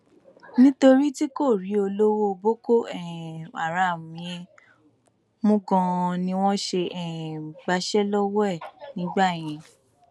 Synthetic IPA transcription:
nĩ˦to˧ɾi˦ti˦ko˦˨ɾi˨˦o˧lo˦wo˦˧bo˦ko˦˨ɛ˨a̰˨ɾa˨mĩ˨˧ẽ˧ | mũ˦ɡɔ̃˧nĩ˧w̃ɔ̃˦ʃe˧ʔɛ˨ɡ͡ba˧ʃɛ˦lɔ˦wɛ˦˨nĩ˨˦ɡ͡ba˦˨j̃ɛ̃˧

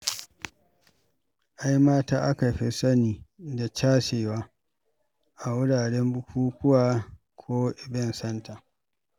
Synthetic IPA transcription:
ʔa˦jmaː˦taː˦ʔa˦ka˨ɸe˦sɐ˦niː˨da˨t͡ʃaː˦seː˨waː˦ | ʔa˨wʊ˦ɽaː˨ɽɛ˦mbʊ˦kʰʷuː˦kʊ˦waː˦ | kʷʰoː˦ʔɪ˨bɛ˦nsɐ˦nta˨

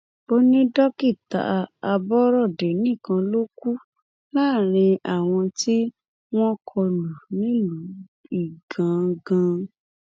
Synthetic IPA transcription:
bo˦nĩ˦dɔ˦ki˦˨ta̰˨˦a˧bɔ˦ɾɔ˦˨de˨nĩ˦˨kã˧lo˦ku˦ | laː˦˨ɾ̃ĩ˧a˨w̃ɔ̃˧ti˦ | w̃ɔ̃˦kʰɔ˧lũ˨nĩ˨˦lu˨˦ | i˨ɡã˨˦ɡã˧

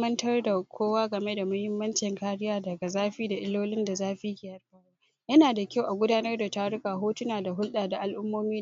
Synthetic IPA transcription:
ɐ˦ntɐ˦rda˨kʷʰoː˦waː˦ɡɐ˨me˦da˨mɐ˦hɪ˦mːɐ˦nt͡ʃɪ˨ŋkaː˦ɽɪ˦jaː˦dɐ˨ɡa˨zaː˦ɸiː˦da˨ʔɪ˦loː˦lɪ˦nda˨zaː˦ɸi˦hɪ˨jɐ˨˦rɸɐ˦ɽ | jɐ˦naː˨da˨kʲa˦˨wʔa˨ɡʷʊ˦daː˦nɐ˦rda˨taː˦ɽʊ˦kaː˨ɦoː˦tʊ˦naː˨da˨ɦʊ˦lɗaː˨da˨ʔa˦lʔʊ˦mːoː˦miː˦

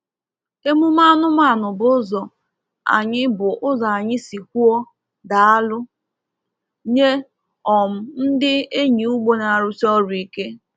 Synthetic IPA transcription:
e˦mu˦ma˦nʊ˦ma˦˨nʊ˨bʊ˦zɔ˨ | a̰˨ɲɪ˦bʊ˨ʔʊ˦za˨a˨ɲɪ˦si˨k̚ʷu˦ɔ˦ | da˨a˦lʊ˦ | ɲe˦ | ɔ˨m̩˨n̩˦dɪ˦e˦ɲi˨u˦ɡ͡bo˦na˨ɾʊ˦sɔ˦ɾi˨ke˦

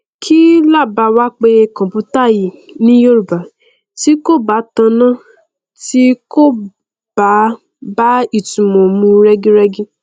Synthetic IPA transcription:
kʰi˦la˦˨ba˨˧wa˦k͡pe˧kɔ̃˨pu˧˦ta˦˨ji˨nĩ˦jo˦ɾu˨ba˨ | ti˦ko˦˨ba˨˦tã˧nã˦˨ | ti˦ko˦˨ | b̥a˨˦ | ba˦i˦˨tũ˨mɔ̃˨mũ˧˦ɾɛ˦ɡĩ˦ɾɛ˧ɡĩ˦

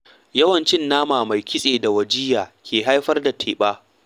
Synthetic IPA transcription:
jɐ˦wɐ˨nt͡ʃɪ˦nːaː˦maː˨ma˨jkʲʰɪ˦sʼeː˨da˨wɐ˨d͡ʒɪː˦jaː˨kʲʰeː˨ɦa˦jɸɐ˦rda˨tʰeː˨ɓaː˦

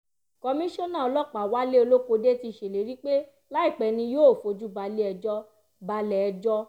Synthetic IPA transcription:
kɔ˧mĩ˦ʃɔ̃˦nã˦˨ɔ˧lɔ˦˨k͡pa˨wa˦le˦o˧lo˦ko˧de˦ti˧˨ʃe˨le˨ɾi˦k͡pe˦ | la˦i˦˨k͡pɛ˨˧nĩ˧joː˦˨fo˧d͡ʒu˦ba˧le˦ɛ˧d͡ʒɔ˦ | ba˧lɛ˨ɛ˧d͡ʒɔ˦

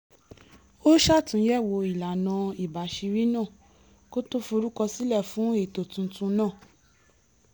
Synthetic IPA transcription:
o˦ʃa˦˨tũ˨˦jɛ˦˨wo˧i˨la˨nã˧i˨ba˨ʃi˧ɾi˦nãː˦˨ | ko˦to˦fo˧ɾu˦kɔ˧si˦lɛ˦˨fũ˨˦e˦˨to˨tũ˧tũ˧nãː˦˨

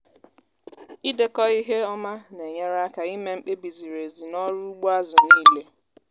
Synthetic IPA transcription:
i˦de˦kɔ˦i˦ɦe˦ɔ˦ma˦ne˨ɲe˦ɾa˦ka˨i˦me˦ŋ͡m̩˦k͡pe˦bi˨zi˨ɾe˨zi˨nɔ˦ɾu˦ɡ͡bo˦a˦zʊ˨ni˦le˦

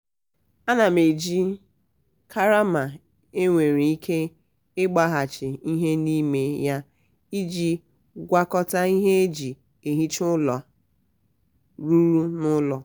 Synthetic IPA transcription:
a˦na˨me˨d͡ʒi˦ | kʰa˦ɾa˦ma˨ | e˦ŋʷe˨ɾi˨i˦kʰe˦ | ɪ˦ɡ͡ba˦ɦa˨t͡ʃɪ˨i˦ɦe˦ni˦me˦ja˦ | i˦d͡ʒi˦ | ɡʷa˦kɔ˦ta˦i˦ɦe˦e˦d͡ʒi˨ | e˨ɦi˦t͡ʃʊ˦lɔ˨ | ɾu˦ɾu˦nʊ˦lɔ˨

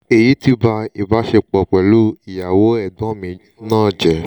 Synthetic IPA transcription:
e˨ji˨˦ti˧ba˧i˨ba˨˦ʃe˧k͡pɔ˨k͡pɛ˨lu˦i˨ja˨wo˨˦ɛ˦˨dɔ̃˨˦mĩ˧ | nãː˦˨d͡ʒɛ˨

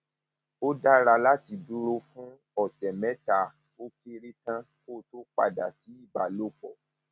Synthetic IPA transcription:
o˦da˦ɾa˧la˦ti˧du˦ɾo˦fũ˦ | ɔ˨sɛ˨mɛ̃˨˦ta˧ | o˦ke˦ɾi˦tã˦ | ko˦˨to˦k͡pa̰˧da˨si˨˦i˦˨ba˨lo˦˨k͡pɔ˨

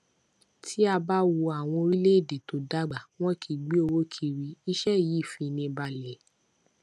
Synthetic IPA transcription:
tʰi˦a˧ba˦wu˧a˨w̃ɔ̃˧ɾi˦le˦i˨de˨to˨˦da˦ɡ͡ba˨w̃ɔ̃˦kʰi˧ɡ͡bi˦o˧wo˦kʰi˧ɾi˨˧˦i˦ʃɛ˦˨ji˨˦˨fĩ˧nĩ˧ba˧lɛ˨

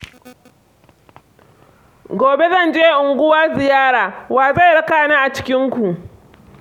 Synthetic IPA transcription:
ɡʷoː˨be˦zɐ˦˨nd͡ʒeː˦˨ʔʊ˨ŋɡʷʊ˦waː˦zɪ˨jaː˦ɽaː˨waː˨za˦˨jɽɐ˦kaː˨na˦ʔa˨t͡ʃɪ̥˦kʲɪ˦ŋkʷu˨ʔ

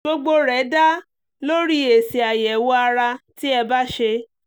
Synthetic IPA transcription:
o˧ɡ͡bo˧ɾɛ˨˦da˦ | lo˦ɾi˦e˨si˨a˨jɛ˨wɔ˦a˧ɾa˧ti˦ɛ˧ba˦ʃe˧

